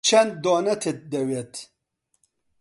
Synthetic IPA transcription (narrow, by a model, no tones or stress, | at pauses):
t͡ʃʰɛnd̪̚d̪oːnɛt̪ʰet̪̚d̪ɛwet̪